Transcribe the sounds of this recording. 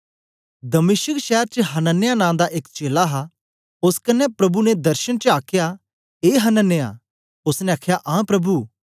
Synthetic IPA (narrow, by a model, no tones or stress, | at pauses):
d̪ɐmɪʃəkʃɛːɾt͡ʃəɦɐnənːejanãːd̪aʔekt͡ʃeːlaɦa | ʊskɐnːɛpɾɐbunɛd̪ɐɾʃənt͡ʃəaːkʰja | eːɦɐnənːeja̰ | ʊsnɛ̃aːkʰjaʔãːpɾɐbuː